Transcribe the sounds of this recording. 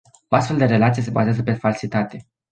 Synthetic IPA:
oast̪fe̞ld̪e̞ɾe̞lat̪sijes̬e̞bazeazəpe̞falsit̪at̪e̞

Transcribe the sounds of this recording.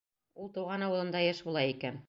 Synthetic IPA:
ulˠt̪uwʁɑnɑwɤ̆lˠɤ̆nd̪ɑjɘʃbulˠɑjikæn

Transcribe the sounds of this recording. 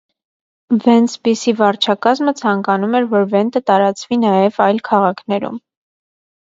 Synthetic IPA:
vɛnt͡sʰpisivɑɾt͡ʃʰɑkɑzmət͡sʰɑŋkɑnumɛɾvɔɾvɛnt̪ət̪ɑɾɑt͡svinɑjɛvɑjlkʰɑʁɑkʰnɛɾṵm

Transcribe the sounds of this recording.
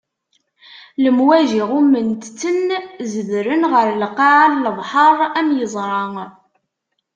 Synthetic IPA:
ləmwæʒiʁumənt̪t͡sːənzəðɾənʁəɾlqːɑʕalləðˤħəɾˤæmjəzˤɾˤɑŋ

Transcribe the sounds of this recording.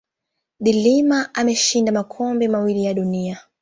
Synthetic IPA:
ðilimaʔamɛʃindamakʰɔmbɛmawilijaɗunia

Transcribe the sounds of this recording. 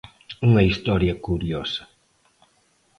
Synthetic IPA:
uŋɐist̪ɔɾjɐkuɾjɔsɐ̥

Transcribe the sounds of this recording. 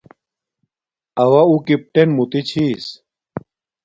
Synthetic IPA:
ɐwɐukip̚ʈenmut̪it͡ɕʰis

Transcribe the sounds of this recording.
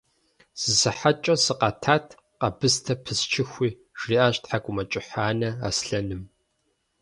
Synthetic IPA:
z̥ɨsɨħat͡ʃʼɐsɨqɐtʰaːtʰ | qɐbɨstʰɐpʰɨst͡ʃʰɪxʷiː | ʒriːʔaːɕtħakʷʼʊmɐt͡ʃʼɪħaːnɐa̰sɬɐnɨm

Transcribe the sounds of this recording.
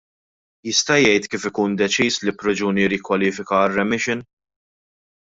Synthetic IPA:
jɪst̪ɐjɛjt̪kiːfɪkuːnd̪ɛt͡ʃiːslipɾɛd͡ʒuːniɾɪkwɐliːfɪkɐːrːɛmɪʃɪn

